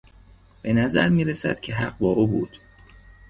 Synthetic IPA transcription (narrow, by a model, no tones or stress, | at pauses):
b̥e̞næzæ̰ɾmiːɾesæ̰d̪̥cʰe̞ɦæɢbɒːʔuːbṵːd̪̥